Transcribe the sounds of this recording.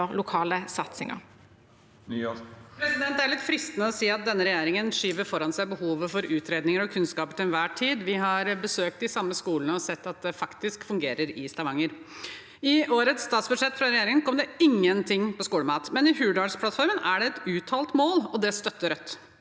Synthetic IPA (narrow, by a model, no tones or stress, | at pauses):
ʁlʊkʰɑːləsɑt̪sɪŋɑ̰ | pʰɾɛsɪd̪ɛnt̪æɭɪt̪fɾɪst̪nəɔsiːɑt̪̚d̪ɛnːəɾɛjeːɾɪŋənʂiːʋəɾfɔɾɑnsæɪbəhuːʋəfɔɾʔʉːt̪ʰɾeːd̪nɪŋəɾɔkʰʉnskɑːpəʈ̪ʰɪnʋæːʈʰiːd̪ʋɪɦɑɾbəsøːk̚t̪ɪsɑmːəskuːlnəɔsɛt̪ːɑt̪̚d̪ɛfɑkt̪ɪskfʉŋɡeːɾəɾɪst̪ɑʋɑŋːəɾ | ɪʔoːɾət̪sːt̪ɑːt̪sbʉʂɛt̪ːfɾɑɾɛjeːɾɪŋənkʰɔmd̪ɛɪŋːənt̪ʰɪŋːpɔskuːləmɑːt̪mɛnɪhʉːɖɑspʰlɑt̪fɔɾmənæɖɛɛt̪ʉːt̪ʰɑːlt̪moːlɔd̪ɛst̪œt̪ːəɾœt̪ː